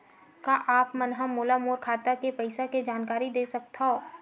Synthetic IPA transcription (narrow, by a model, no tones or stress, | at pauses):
kaʔaːpmɐnɦamoːlamoːɾkʰaːt̪akepɐɪsaked͡ʒaːnkaːɾid̪eːsɐk̚t̪ao